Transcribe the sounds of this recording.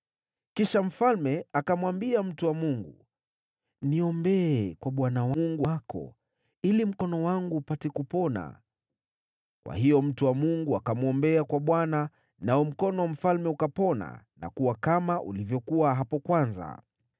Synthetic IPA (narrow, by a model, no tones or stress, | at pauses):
kiʃam̩falmɛakamwambiam̩tuwamuŋɡu | niɔmbɛɛkwaɓwanawŋɡuakɔ̰ | ilim̩kɔnɔwaŋɡuːpatɛkupɔna̰ | kwʔa̰hijɔm̩tuwamuŋɡuakamuɔmbɛakwaɓwana | naɔm̩kɔnɔwm̩falmɛukapɔna̰na̰kuwakamaʔṵlivjɔkuwaɦapɔkwanza̰